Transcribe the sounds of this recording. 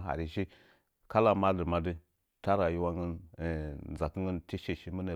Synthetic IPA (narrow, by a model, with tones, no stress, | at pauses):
ɦa̰˨ɾi˨ʃi˦ | ka˦la˦ma˦də˨ma˦də˦ | ta˦ɾa˨ji˦wa˦ŋə˦n˨ | za˨kə˦ŋɡə˦nti˦ʃi˨ʃi˦mə˦nə˨